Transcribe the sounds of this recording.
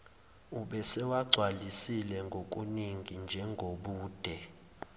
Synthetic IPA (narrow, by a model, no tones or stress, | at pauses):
uɓɛsɛwaɡ͡ǀʱwalisilɛŋɡʱok̬ʼuniŋɡʱind͡ʒʱɛŋɡʱoɓuːd̥ʱɛ